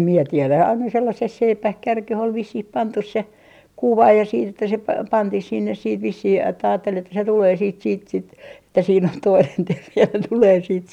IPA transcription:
mie tielæ ɑinɑ selːɑses seipæh kærkeh ol ʋisːih pɑntus se kuʋɑ jɑ siːt etːæ se pɑ pɑntih sinːes siːt ʋisːih etːæ ɑːtːel etːæ se tuleː siːt siːt sit etːæ siːn on toinen terːi jɑ ne tuleː siːt

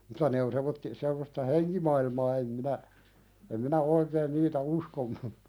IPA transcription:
mutɑ ne on semːotːi semːostɑ heŋkimɑilmɑː em minæ em minæ oikeːn niːtæ uskonˑu

